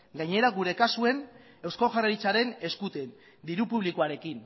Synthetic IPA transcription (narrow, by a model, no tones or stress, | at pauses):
ɡajɲe̞ɾaɡuɾe̞kasue̞n | e̞wskoʝaraɾit͡saɾe̞ne̞skut̪e̞n | d̪iɾupuβ̞likoaɾe̞kin